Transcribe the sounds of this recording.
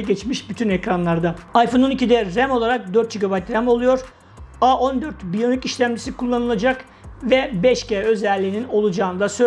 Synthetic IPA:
ɟɛt͡ʃmiʃbyt̪ʰynɛcɾanlˠaɾd̪aajfo̞nonicid̪ɛɾæmo̞lˠaɾak̚d̪øɾt̪̚d͡ʒiɡabajt̪ɾæmo̞lˠujo̞ɾ̥ | aʔo̞nd̪øɾt̪bilonʲyciʃlʲæmd͡ʒisikʰulˠːanɯlˠad͡ʒak | vɛbɛʃcɛːø̞zɛlʲːiːnino̞lˠud͡ʒaːɯnd̪asø

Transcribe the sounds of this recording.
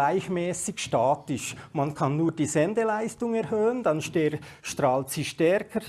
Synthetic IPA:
laɪçmɛːsɪçʃtaːtɪʃmɑnkʰɑnːuːɾd̥iːzɛndelaɪstʊŋɛɾhøːəndɑnʃtɛ | ʃtɾɑːltsiːʃtɛɾkʰəɾ

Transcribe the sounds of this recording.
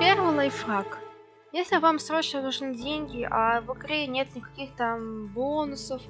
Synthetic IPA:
pʲe̞rvɨjlˠajfrak | jesʲlʲɪvamsɾo̞t͡ɕnənuʐnɨdʲenʲɡʲɪʔavɨɡɾʲenʲe̞t̪nʲɪkɐkʲixt̪ambonʊsəf

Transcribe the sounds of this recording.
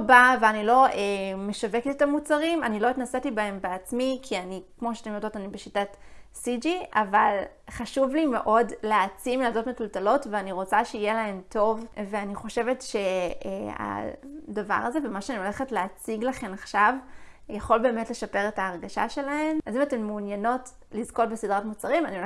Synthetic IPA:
baveanilo̞ʔeme̞ʃave̞ketetamut͡saʁimanilo̞itnasetibae̞mbeat͡smikʰianikmo̞ʃeatemjodo̞tanibeʃitatsid͡ʒiaval | χaʃuvlime̞̰ʔo̞dleat͡simlazo̞tmetultalo̞tveaniʁo̞t͡saʃeijelae̞mto̞vve̞aniχo̞ʃe̞ve̞tʃe̞ | a̰dava̰ʁaze̞vemaʃeanio̞leχetleːt͡siɡlaχe̞naχʃavjaχolbe̞ːme̞tle̞ʃape̞ʁetaːʁɡaʃa̰ʃe̞lae̞mazimate̞mːuːnjano̞t | lizko̞tbesidʁatmut͡saʁimanioe

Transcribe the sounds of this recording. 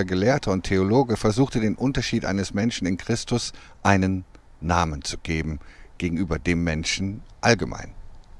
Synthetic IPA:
ɐɡəleːɐtʰəʊntʰːeoloːɡəfɛɐzuːxtədeːnʔʊntɐʃiːtʔa̰ɪnəsmɛnʃn̩ɪnkʁ̥ɪstʊsʔaɪnənː | aːmənt͡suɡ̥eːbm̩ɡ̥eːɡŋ̩ʔyːbɐdeːmːɛnʃn̩ʔalɡəmʔa̰ɪn

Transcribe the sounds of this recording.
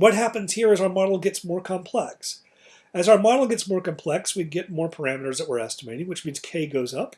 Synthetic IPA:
wʌt̚ɦæpɨ̃nz̥hiɹɨzaʊə˞mɑɾl̩ˠɡɛtsmɔɹkʰɑ̃mpʰl̥ɛks | ɨzaʊə˞mɑɾl̩ˠɡɛtsmɔɹkɨ̃m̩pʰl̥ɛkswiɡɛt̚mɔɹpʰə˞æmɨɾə˞zðɨʔ̚wɪɹɛstəmeɪɾɪ̃ŋwɨt͡ʃmĩnz̥kʰeɪɡoʊzʌp

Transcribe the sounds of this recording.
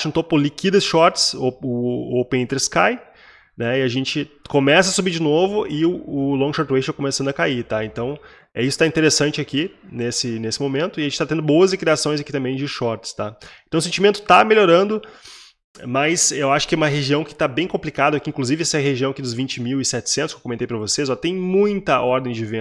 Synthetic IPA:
ʃt̪opʊlikid̪ɐsʃɔɾt͡ʃsoʊowpẽẽt̪eɾskaj | nɛɪaʒẽnt͡ʃɪkomɛsɐsubiɾd͡ʒɪnovʊʔɪʊʊlõɡʃɔɾt̪wejt͡ʃt̪akomesɐ̃ndʊɐkait̪aẽnt̪ɐ̃w̃ | ɛisʊt̪aĩt̪eɾesɐ̃nt͡ʃɪaki | nesɪnesɪmomẽnt̪ʊɪaʒẽt͡ʃɪt̪at̪ẽnd̪ʊbowɐzɪkɾiasõj̃zakit̪ɐ̃mbẽj̃d͡ʒɪʃɔɾt͡ʃɪ̥st̪aẽnt̪ɐ̃w̃ʊsẽt͡ʃimẽnt̪ʊ̥t̪ameʎʲoɾɐ̃nd̪ʊ | mɐsewaʃʊ̥kɪɛũmɐɦeʒiɐ̃w̃kɪ̥t̪abẽj̃kõplikad̪ɐʊɐkĩŋkluzivɪɛsɐɛɦeʒiɐ̃w̃ɐkid̪ʊzvĩt͡ʃɪmiwɪsɛt͡ʃɪ̥sẽt̪ʊskewkomẽnt̪ejpɾɐvosez̬at̪ẽj̃mũj̃t̪ɐɔɾd̪ẽj̃d͡ʒɪvẽ

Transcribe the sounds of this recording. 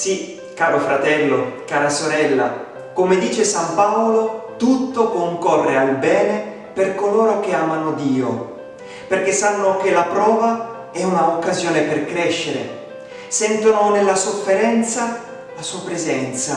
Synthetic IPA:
si | kːaːɾofɾat̪ɛlːokaːɾasoɾɛlːa̰ | komed̪iːt͡ʃesampaolot̪ut̪ːokoŋkɔrːealbɛːne | perkoloːɾok̟eaːmanod̪iːo | perk̟esːanːokelapɾɔːva | ɛunaokːazjoːneperkɾɛʃːeɾḛ | sɛnt̪ononelːasofːeɾɛnt̪sa | lasuapɾezɛnt̪sa

